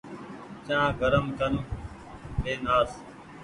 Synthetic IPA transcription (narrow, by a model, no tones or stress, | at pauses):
t͡ʃãːɡʱəɾəmt̪ənː | beːnaːs